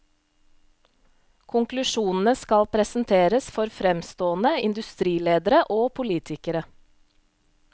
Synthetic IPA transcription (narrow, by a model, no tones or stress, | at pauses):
kʰʊŋklʉʃuːnn̩əskɑlpʰɾɛsn̩t̪ʰeːɾəsfɔɾfɾɛmst̪oːnəɪnd̪ʉst̪ɾiːleːd̪əɾəʔoːpʰʊliːt̪ʰɪkəɾə